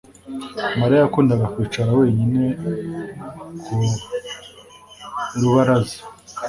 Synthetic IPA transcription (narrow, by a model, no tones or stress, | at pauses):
maɾajakuːndaɡakwiːt͡ʃaɾawe̞ːɲine̞ | ku | ɾuβaɾazi